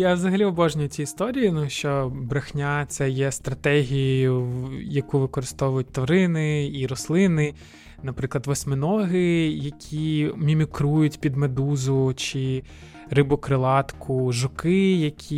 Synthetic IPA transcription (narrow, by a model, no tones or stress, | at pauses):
jaʋzɐɦɐlʲiɔbɔʒnʲijʊtʲiːst̪ɔɾʲijinuʃt͡ʃɔbɾɐxnʲat̪sɛjɛst̪ɾɐt̪ɛɦʲijʊjʊjɐkuʋɪkɔɾɪst̪ɔʋʊjʊt̚ʲt̪ʋɔɾɪnɪiɾɔslˠɪnɪ | nɐpɾɪklˠɐd̪ʋɔsʲmɪnɔɦɪjɐkʲʰimʲimʲikɾujʊtʲpʲid̪med̪uzʊt͡ʃɪ | rɪbʊkɾɪlˠɑt̪kʰʊʒʊkɪjɐkʲʰi